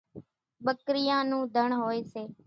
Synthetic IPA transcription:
ɓəkɾɪjãːnũːd̪ʱəɳɦoːeːseː

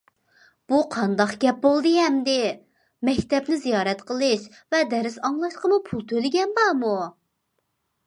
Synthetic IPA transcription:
b̥uqʰɑnd̪ɑqɡʲɛp̚bolˠd̪ɨɦɛmd̪ɪ | mɛkʲt̪ɛpnɪzijɑːɾɛt̪qəlˠɨʃ | vɛd̪ɛɾɪsɑŋlˠɑʃqəmupʰulˠt̪ʰølɪɡʲɛnbɑmu

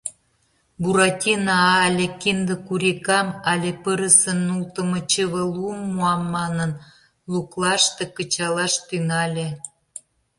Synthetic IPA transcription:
buɾɑtʲinɑɑlʲekind̪ə̆kuɾʲikɑmɑlʲepəɾə̆sə̆nːult̪ə̆mə̆t͡ɕəβəlumːuɑmːɑnən | luklˠɑʃt̪ĕkə̆t͡ɕɑlɑʃt̪yŋɑlʲe

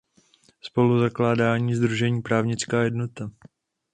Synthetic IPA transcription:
spo̞luzaklaːdaːɲiːzd̪ɾuʒɛɲiːpɾaːvɲɪt͡skaːjɛdnot̪a

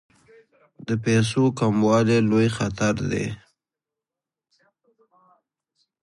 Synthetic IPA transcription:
d̪əpes̬okamwɑlelojxat̪aɾd̪ḛ

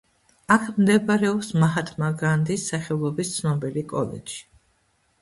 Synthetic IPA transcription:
akʰmd̪ɛbɾɛɔpsmaɦat̪ʰmaɡɾand̪isːaχɛlˠɔbist̪sʰnɔbilikʼɔ̰lɛ̰dʃi̥

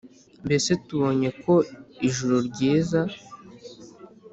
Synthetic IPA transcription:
mbe̞se̞tuβo̞ɲe̞kʰo̞iʒuɾoɾɟiːza

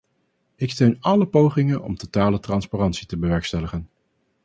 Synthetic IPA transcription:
ɪkstøɥnɑləpowχɪŋənɔ̰mtotaːlətrɑnsparɑntsitəbəʋɛɹkstɛləχən

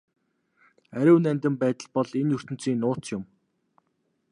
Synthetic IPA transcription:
æɾʲʊ̆wnænʲt̪ɘ̆mpæːt̪ə̆ɮpɔɮenjɵr̥t̪ɘ̆n̥t͡siːnːʊːt͡sjʊm

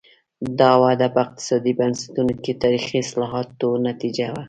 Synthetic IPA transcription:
d̪ɑwad̪apəɪq̚t̪ɪ̥sɑd̪ibansḁt̪unoket̪ɑɾixiɪslɑɦɑt̪onat̪id͡ʒawa

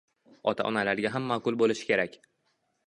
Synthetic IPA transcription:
ɒt̪ʰa̰ʔɒnalaɾɡʲaɦamːaqʊlˠbolɪʃɪ̥kʲe̞ɾakʲ

